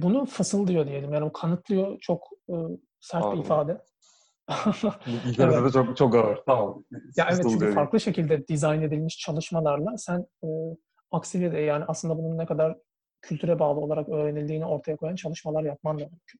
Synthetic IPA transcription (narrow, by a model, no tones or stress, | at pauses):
bunufasɯlˠd̪ijo̞d̪ije̞lʲimjaːnibukʰanɯt̪lˠɯjo̞t͡ʃʰokɯː | sæɾt̪lʲiifaːd̪ɛ | eɛd̪ɛt͡ʃkt͡ʃʰok̚ɡaaɾajaʔevɛt̪t͡ʃycyfaɾklˠɯʃe̞cʰilʲd̪ɛd̪izajne̞d̪ilʲmiʃt͡ʃʰalˠɯʃmalˠaɾlˠasænɯː | aksivjed̪ɛjaːniʔaslˠɯnd̪abununːɛkʰad̪aɾ | cʰylʲt̪ʰyɾɛbaːlˠɯo̞lˠaɾakø̞ːɾe̞nilʲd̪iːnio̞ɾt̪ʰajakʰo̞jant͡ʃʰalˠɯʃmalˠaɾjap̚mand̪amymcʰyn